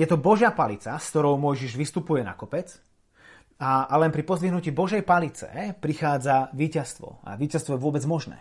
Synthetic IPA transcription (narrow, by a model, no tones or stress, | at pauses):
jɛt̪ɔbɔʒɪapalit͡saskt̪ɔɾɔʊmɔjʒiʒʋist̪upujɛna̰kɔpɛt͡s | aalɛnpɾipɔzliɦnuciːbɔʒɛjpalit͡sɛ̰pɾixaːd͡zaʋiːcast̪ʋɔ̰a̰ʋiːcast̪ʋɔjɛʋʊɔbɛd͡zmɔʒnɛ̰ː